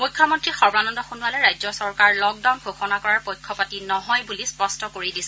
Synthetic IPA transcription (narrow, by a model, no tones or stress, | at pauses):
mujkʰːɔmɔntɹixɔɹbanɔndɔxonualɛɹajzɔsɔɹkaɹlɔk̚daʊwnɡʱoxɔnakɔɹaɹpojkʰːɔpatinɔɦɔjbulispɔstɔkoɹidisɛ